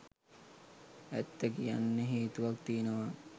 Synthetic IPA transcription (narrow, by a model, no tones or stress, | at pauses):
æt̪ːəkija̰nːəɦiːt̪uʋak̚t̪ienəʋa